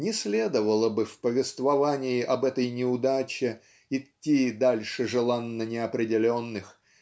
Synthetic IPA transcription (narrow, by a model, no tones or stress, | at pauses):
nʲɪsʲlʲe̞d̪əvəlˠəbɨfpəvʲɪst̪vɐvanʲɪɪʔɐbɛt̪əjnʲɪʊd̪at͡ɕɪ | ɪtʲːid̪alʲʂɨʐɨlˠanːənʲɪɐpɾʲɪdʲɪlʲonːɨx